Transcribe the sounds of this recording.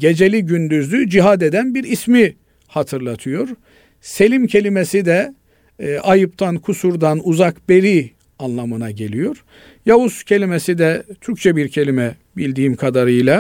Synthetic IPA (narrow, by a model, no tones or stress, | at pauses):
ɟe̞d͡ʒe̞lʲiɟynd̪yzlʲyd͡ʒiɦad̪ed̪ænbiɾismi | hat̪ʰɯɾlˠat̪ʰɯjo̞ɾ̥ | se̞lʲimcʰe̞lʲime̞sid̪ɛ | ʔajɯp̚t̪ʰankʰusuɾd̪anuzakbe̞ɾi | anlˠamɯnaɟe̞lʲijo̞ɾ̥ | jauscʰe̞lʲimesid̪ɛt̪ʰyɾc̚ʲt͡ʃʰɛbiɾcʰe̞lʲimɛ | bilʲd̪iːmkʰad̪aɾɯjlˠa